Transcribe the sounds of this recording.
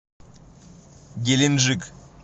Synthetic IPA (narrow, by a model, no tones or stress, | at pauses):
ɡʲelʲenʒik